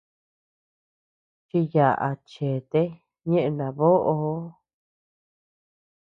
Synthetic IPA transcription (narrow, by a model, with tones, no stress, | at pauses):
t͡ʃi˧ja˨ʔa̰˨t͡ʃe˨t̪e˦ | ɲẽ˦ʔẽ˧nã˨˧βo˦ʔo˧˦